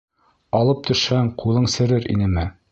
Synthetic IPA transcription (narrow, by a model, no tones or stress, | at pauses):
ɑlˠɤp̚t̪ɵ̆ʃhæŋqʰulˠɤɴsɘ̆ɾɘɾḭnɘmɘ